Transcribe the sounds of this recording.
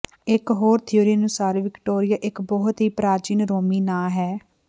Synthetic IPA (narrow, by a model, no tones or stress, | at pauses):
ɪkɦoːɾt̪ʰɪjoːɾiənʊsaːɾʋɪkʈoːɾɪjaːʔɪkbɔːɦʊt̪ɦiːpɾaːɾt͡ʃiːnɾoːmiːnaːɦɛː